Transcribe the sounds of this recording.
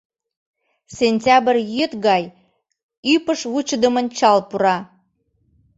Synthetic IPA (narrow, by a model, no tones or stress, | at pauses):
sʲenʲtʲɑbərjøt̪ɣɑj | ypəʃvut͡ɕəd̪əmənt͡ɕɑlpuɾɑ